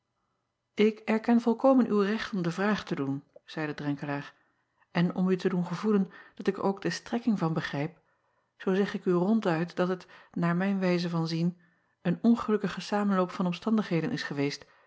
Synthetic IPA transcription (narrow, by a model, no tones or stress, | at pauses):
ʔɪkɛɹkɛnvɔlˠkowmənʔywrɛχtɔmdəvraːχtədunz̥ɛjdədrɛŋkəlaːɹ | ʔɛnɔ̰mytədunχəvulənd̥ɑtɪko̰wɡdəstrɛkɪŋvɑnbəχrɛjp | z̥owzɛχɪkyrɔntœɥtd̥ɑtətnaːɹmɛjnʋɛjzəvɑnzin | ənɔnχəlɵkəχəsaːmənlowpfɑnɔmstɑndəχɦejdənʔɪ̰sχəʋejst